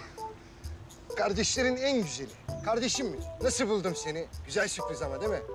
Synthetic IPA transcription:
kʰaɾd̪eʃlʲeɾinænɟyzelʲikʰaɾd̪eʃimːinasɯlbulˠd̪ɯmse̞niɟyzælʲsɯklɯzamad̪emɛ

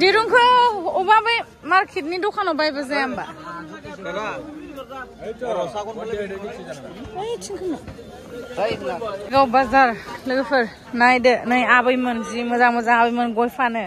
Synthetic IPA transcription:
diɾuŋkʰɯubabɯj | maɾkʰit̬̚nidɔkʰanɔbajbazajamba̰ | ɯjtʰiŋkʰɯna | ɡawbazaɾlɯɡɯpʰɯɾ | najdɯnɯjabɯjmɯnzimɯzamazaabɯjmɯnɡɔjpʰanɯ

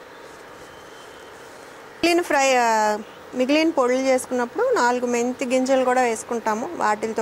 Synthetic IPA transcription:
liːnpʰɾɐj | miɡiliːnpoɽulut͡ʃe̞ːsu̥kunːɐpːuɽunaːluɡument̪iɡiɲd͡ʒɐlkuːɽaːʋe̞ːsu̥kuɳʈaːmuʋa̰ːʈilt̪o

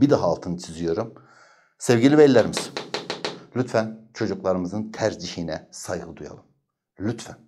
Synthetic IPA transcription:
bid̪aɦaːlˠt̪ʰɯnɯt͡ʃʰizijo̞ɾum | sevɟilʲibelʲlːæɾimiz̥ | lʲyt̪fænt͡ʃʰo̞d͡ʒuklˠaɾɯmɯzɯnt̪ʰæɾd͡ʒihinɛsajɡɯd̪uja̰lˠɯm | lʲyt̪fæn

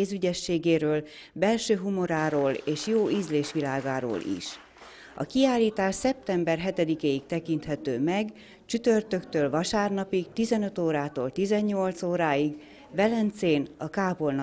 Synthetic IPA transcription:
eːzyɟɛʃːeːɡeːɾøːl | bɛlʃøːɦumoɾaːɾoːleːʃjoːizleːʃʋilaːɡaːɾo̰ːlʔḭʃ | ɒ̰kiaːlːiːt̪aːʃsɛp̚t̪ɛmbɛrɦɛt̪ɛd̪ikeːik̚t̪ɛkint̪hɛt̪øːmɛɡ | t͡ʃyt̪ørt̪ø̞kt̪øːlvɒʃaːrnɒpik̚t̪izɛnø̞t̪oːɾaːt̪oːlt̪izɛɲːo̞lt̪soːɾaːiɡ | vɛlɛnt̪seːnɒkaːpo̞ln

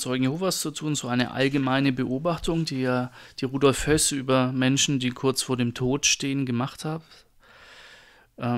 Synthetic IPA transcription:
t͡sɔʏɡŋ̩jehoːvast͡sutʰuːnzoːaɪnə̰ʔa̰lɡəmaɪnəbəʔoːbaχtʊŋdiːjaːd̥iːʁuːdɔlfhœsʔyːbɐmɛnʃn̩diːkʰʊɐt͡sfoːɐɾeːmtʰoːtʃteːənɡəmaχthaːb | ʔɛ

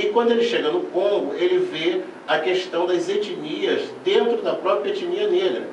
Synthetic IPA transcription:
ɪkwɐ̃nd̪ʊelɪʃeɡɐnʊkõŋɡʊelɪve | ɐkeʃt̪ɐ̃w̃d̪ɐzet͡ʃiniɐzd̪ẽnt̪ɾʊd̪ɐpɾɔpɾiɐet͡ʃiniɐneɡɾɐ̰

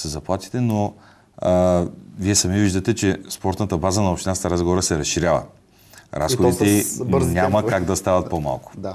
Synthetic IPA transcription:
səzɐplˠat̪i̥t̪ɛno | viɛsɐmiviʒd̪ɐt̪ɛt͡ʃɛspɔɾt̪nət̪əbazənɐopʃt̪ʲinast̪əɾazɡovoɾəsɛɾɐsʃiɾʲavə̰ | ɾa̰sxod̪it̪ɛiɲʲaməkaɡd̪ɐst̪avɐt̪poma̰lˠkʊ̥

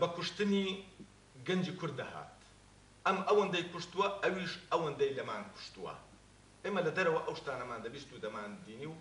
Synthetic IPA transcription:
bɐkʊʃt̪ɨni | ɡɐnd͡ʒiːkʰʊɾd̪̚ːɐha̰ːt̪ | ʔɐmʔɐwɐnd̪ɐjkʊʃt̪uwɐʔɐwiːʃɐwɐnd̪ɐjlɐmaːnkʰʊ̥ʃt̪uwɐ̰ | ʔeːmɐlɐd̪ɐɾɐwɐʔɐwʃt̪aːnɐmaːnd̪ɐbiːst̪uːd̪ɐmaːnd̪iːniw

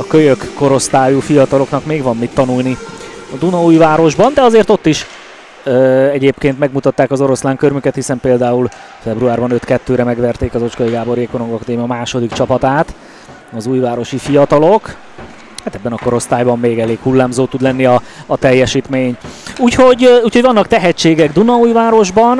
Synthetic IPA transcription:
ɒkøjøkːo̞ɾo̞st̪aːjufijɒt̪ɒlo̞knɒkmeːɡvɒmːit̪ːɒnulniɒd̪unɒuːjvaːɾo̞ʒbɒnd̪ɛɒzeːrt̪o̞t̪ːiʃ | ɛɟeːpkeːnt̪mɛɡmut̪ɒt̪ːaːkɒzo̞ɾo̞slaːŋkørmykɛt̪hisɛmpeːld̪aːul | fɛbɾuaːrbɒnøt̪kɛt̪ːøːɾɛmɛɡʋɛrt̪eːkɒzo̞t͡ʃkɒiɡaːbo̞ɾijɛkoɾoŋɡɒkɒd̪eːmijɒmaːʃo̞d̪ikt͡ʃɒpɒt̪aːt̪ | ɒzuːjvaːɾo̞ʃifijɒt̪ɒlok | haːt̪ɛbːɛnɒko̞ɾo̞st̪aːjbɒmmeːɡɛleːkhulːaːmzoːt̪ud̪lɛnːiɒːt̪ɛjːɛʃiːt̪meːɲuːcho̞ɟuːcho̞ɟvɒnːɒkt̪ɛɦɛt͡ʃːeːɡɛɡd̪unɒuːjvaːɾo̞ʒbɒn

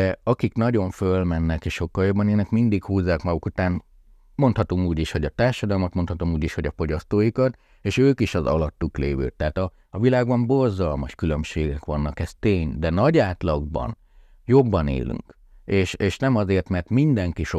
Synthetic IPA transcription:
ɛɒkiknɒɟo̞ɱfølmɛnːɛkeːʃʃo̞kːɒljo̞bːɒneːnɛkmind̪ikhuːzːaːkmɒɡukut̪aːn | mo̞nt̪hɒt̪umuːɟiʃho̞ɟɒt̪aːrʃɒd̪ɒlmɒt̪mo̞nt̪hɒt̪omuːɟiʃho̞ɟɒfo̞ɟɒst̪oːjikɒt̪ | eːʃøːkiʃɒzɒ̰lɒt̪ːukleːvø̰ːt̪ːɛːt̪ɒː | vilaːɡbɒmbo̞rzɒlmɒʃkylømʃeːɡɛkʋɒnːɒkɛst̪eːɲd̪ɛnɒɟaːt̪lɒɡbɒ̰n | jo̞bːɒnḛːlʔy̰ŋk | eːʃeːʃnɛmɒzeːrt̪mɛrt̪mind̪ɛŋkiʃo

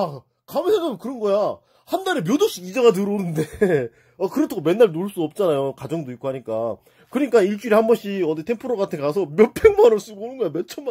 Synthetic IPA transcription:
a | kamesʰeŋamkɯɾʌnɡʌja | handaɾemjodoɕ͈iɡid͡ʑaɡat̬ɯɾonɯnde̞ | akɯɾʌtʰaɡome̞nːaɭnoɭs͈udʌp̚t͡ɕ͈anajokad͡ʑʌŋdoik͈ohaɲik͈a | kɯɲik͈aiɭt͡ɕ͈uɾihambʌnɕʰiʌditʰempʰoɾoɡatʰekasʰʌmjʌpʰeŋmanʌɭs͈uɡonɯnɡʌjamet͡ɕʰʌma

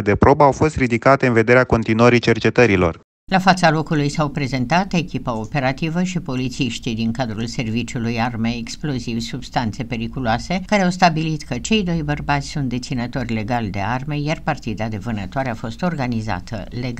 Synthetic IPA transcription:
d̪e̞pɾo̞bəawfo̞st̪ɾid̪ikat̪e̞ɨnve̞d̪e̞ɾeako̞nt̪inuəɾit͡ʃe̞rt͡ʃe̞t̪əɾilo̞̰r | lafat̪salo̞kulujsawpɾe̞ze̞nt̪at̪e̞kʲipəo̞pe̞ɾat̪ivəʃipo̞lit̪siʃt̪id̪iŋkad̪ɾulse̞rvit͡ʃulujarme̞ːksplo̞zivʲsub̥st̪ant̪se̞pe̞ɾikuloase̞kaɾeawst̪abilit̪kət͡ʃe̞jd̪o̞jbərbat̪sʲsunt̪̚d̪e̞t̪sinət̪o̞rʲle̞ɡald̪e̞̰arme̞jarpart̪id̪ad̪e̞vɨnət̪oaɾeafo̞st̪o̞rɡaniza̰t̪ʰə̰leɡ

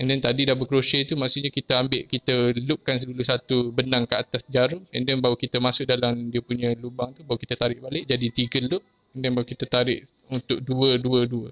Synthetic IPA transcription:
ɛndɛnt̪adidahbəkɾoʃet̪umaʔsuʔɲakit̪əambɪʔkit̪əlʊʔ̚kansədulusat̪ubənaŋkəat̪asd͡ʒaɾʊɛndɛnbaɦwkit̪əmasʊʔ̚dalamdiəpuɲãlubaŋt̪ubawukit̪at̪aɾɪʔbalɪʔd͡ʒadit̪iɡəlʊʔ̚ | ɛndɛnbaukit̪at̪aɾɪʔ | unt̪ʊʔ̚duəduəduə

